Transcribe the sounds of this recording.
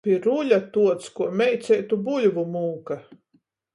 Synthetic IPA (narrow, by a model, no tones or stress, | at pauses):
pʲiɾulʲat̪uɔt̪skuɔmʲɛjt̪sɛjt̪ubulʲvumuːka